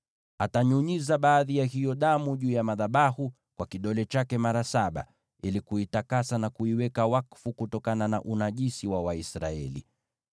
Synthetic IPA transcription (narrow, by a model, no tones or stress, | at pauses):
ataɲuɲizaɓaːðijahijɔɗamuʄuːjamaðaɓahu | kwakiɗɔlɛt͡ʃakɛmaɾasaɓa̰ | ilikuitakasanakuiwɛkawakfukutɔkanana̰ʔunaʄisiwawaisɾa̰ɛ̰lḭ